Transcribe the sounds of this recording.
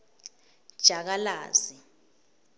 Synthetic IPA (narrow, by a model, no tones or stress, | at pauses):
d̥ʒ̥ʱak̬alaːzi